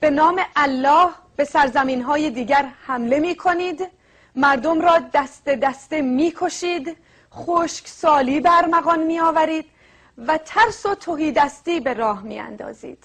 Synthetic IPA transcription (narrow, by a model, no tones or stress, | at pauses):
b̥e̞nɒːmeʔælːɒːh | b̥e̞sæɾzæmiːnɦɒːje̞d̪iːɟæɾhæmle̞miːkʰo̞niːd̪ | mæɾd̪o̞mɾɒːd̪æst̪e̞d̪æst̪emiːkʰo̞ʃiːd̪ | χoːʃksɒːliːbeæɾmæɣɒnmiːɒːvæɾiːd̪̥ | væt̪ʰæɾsot̪ʰoɦiːd̪æst̪iːbe̞ɾɒːhmḭːæ̰nd̪ɒ̰ːzḭːd̪̥